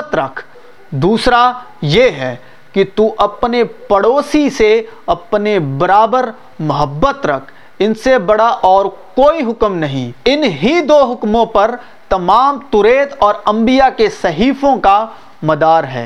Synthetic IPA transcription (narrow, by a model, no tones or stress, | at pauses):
t̪ɾɐkʰ | d̪uːsɾa | jeɦɛː | kit̪uʔɐpnepɐɽoːsiseɐpnebɐɾaːbəɾ | mʊɦəbːət̪ɾɐkʰ | ɪnsebɐɽaʔɔːɾkoːiɦʊkmnɐɦĩɪnɦid̪oːɦʊkmõpɐɾ | t̪ɐmaːmt̪ʊɾeːt̪ɔːɾɐ̃mbijakesɐɦiːfõka | mɐd̪aːɾɦɛ̰ː